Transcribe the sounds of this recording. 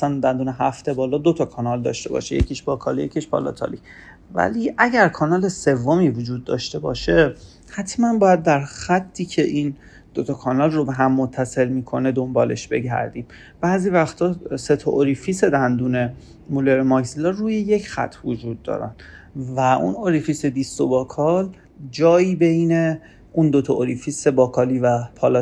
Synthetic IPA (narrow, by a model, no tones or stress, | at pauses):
sænd̪ænd̪uːneɦæft̪e̞bɒːlɒːd̪ot̪ʰɒkʰɒːnɒld̪ɒ̰ːʃt̪e̞̰bɒ̰ːʃejecʰiːʃb̥ɒːkʰɒːlije̞̰cʰiʃbɒ̰lɒ̰t̪ʰɒ̰li | væ̰liʔæɟæɾkʰɒːnɒːle̞se̞vːomiːvod͡ʒuːd̪̚ːɒ̰ːʃt̪e̞bɒ̰ːʃe̞ | hæt̪ʰmænbɒːjæd̪̚ːæɾxæt̪ʰːiːcʰe̞ʔiːn | d̪̥ot̪ʰɒkʰɒːnɒlrobe̞ɦæmːot̪ʰːæselmiːkʰo̞ne̞d̪ombɒ̰ːle̞̰ʃbe̞ɟæ̰ɾd̪iːm | b̥æːziːvæxt̪ʰɒːse̞t̪ʰɒʔoɾifise̞d̪ænd̪uːne̞ | muleɾmɒksilɒruːjejecʰxæ̰t̪ʰːvod͡ʒuːd̪ːɒ̰ːɾæ̰nvæʔṵnoɾifise̞d̪ist̪obɒːkʰɒːl | d͡ʒɒːjiːbe̞jne̞ | und̪ot̪ʰɒʔoɾifise̞bɒːkʰɒːliːvæpʰɒːlɒ